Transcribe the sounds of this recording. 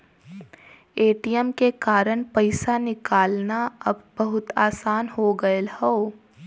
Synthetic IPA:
eːʈijəmkekaːɾəɽ̃pɐɪsanɪkaːlnaɐbbɐɦʊt̪aːsaːnɦoɡɐelhoː

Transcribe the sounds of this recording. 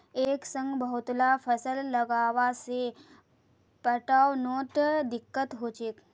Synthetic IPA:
eːksə̃ŋɡbəɦʊt̪lafʰəsəlːɐɡaːʋase | pəʈaːwnoːʈd̪ɪkːət̪ɦoːt͡ʃeːk

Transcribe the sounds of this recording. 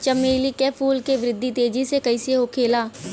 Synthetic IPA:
t͡ʃəmeːlikɛːpʰuːlkeʋɾɪd̪ʱːit̪eːd͡ʒisekɐiseɦokʰeːlaː

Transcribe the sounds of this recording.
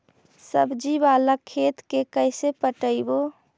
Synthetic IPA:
səbʱd͡ʒibaləkʰːeːt̪kekəɪsepəʈəibo

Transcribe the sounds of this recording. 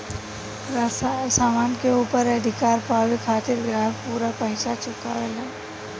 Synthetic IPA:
saːmaːnkeuːpəɾɛd̪ʱɪkaːɾpaːwekʰaːt̪ɪɾɡɾaːɦfpuːɾapəɦɪ̃t͡ʃat͡ʃʊka̰ːʋelɛː

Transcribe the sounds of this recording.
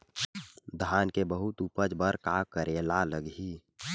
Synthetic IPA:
d̪ʱaːnkebəɦʊt̪upəd͡ʒbəɾkaːkəɾeːlaləɡɦi

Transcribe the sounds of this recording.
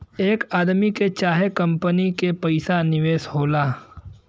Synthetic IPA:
eːkaːd̪miket͡ʃaːɦekɐ̃mpənikepɐɪsanɪʋeːsɦoːlaː

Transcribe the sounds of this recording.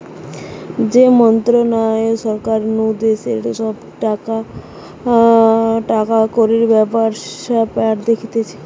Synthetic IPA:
d͡ʑemɔnt̪ɾonaeʃɔɾkaɾnud̪esḛʈaʃɔb | ʈaka | ʈakakoɾiɾbɛpaɾapɛaʈd̪ekʰit̪et͡ɕʰe̥

